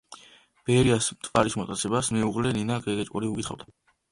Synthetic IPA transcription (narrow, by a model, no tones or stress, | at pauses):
b̥ɛɾiasmt̪ʼvaɾismɔt̪ʼat̪sʰɛbasmɛuʁlɛninaɡɛɡɛt͡ʃʼkʼuɾiukʼit̪ʰχa̰vd̪a